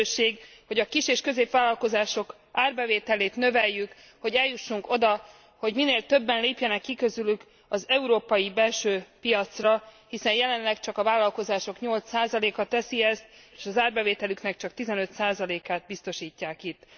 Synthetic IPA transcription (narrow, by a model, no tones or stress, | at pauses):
ʃeːɡho̞ɟɒkiʃeːʃkø̞zeːpʋaːlːɒlko̞zaːʃo̞k | ʔaːrbɛveːt̪ɛleːt̪nø̞vɛjːyk | ho̞ɟɛljːuʃːuŋko̞d̪ɒ | ho̞ɟmineːlt̪ø̞bːɛnleːpjɛnɛkːikø̞zylyk | ɒzɛuɾoːpɒjibɛlʃøːpijɒt̪srɒhisɛnjɛlɛnlɛkt͡ʃɒkɒvaːlːɒlko̞zaːʃo̞kɲo̞lt̪saːzɒleːkɒt̪ɛsiɛst̪eːʃɒzaːrbɛveːt̪ɛlyknɛkt͡ʃɒk̚t̪izɛnø̞t̪saːzɒleːkaːd̪̚bist̪o̞ʃiːcːaːkit̪ː